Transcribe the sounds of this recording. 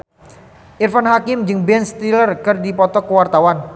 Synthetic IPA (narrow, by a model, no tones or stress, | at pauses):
ʔirfanhakɪmd͡ʒɨŋbɛnst̪ilərkərdipɔt̪ɔkəwart̪awan